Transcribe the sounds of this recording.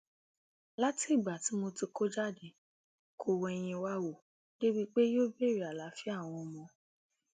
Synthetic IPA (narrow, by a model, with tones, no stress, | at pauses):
la˦ti˦i˦˨ɡ͡ba˨ti˨˦mo˧ti˧ko˦d͡ʒa˦˨de˨ | kʰo˧wɔ˧ɛ˧j̃ĩ˧wa˦wo˦˨ | de˦wi˦k͡pe˦joː˦be˦˨ɾi˨˦˨a˨la˨˦fi˦a˦˨w̃ɔ̃˧mɔ̃˧